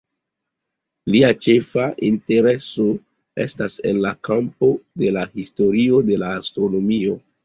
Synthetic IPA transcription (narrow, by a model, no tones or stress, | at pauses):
liat͡ʃe̞faʔinte̞ɾe̞so̞ | e̞̰stase̞̰nlakampo̞de̞lahisto̞ɾio̞de̞laːstɾo̞no̞mio̞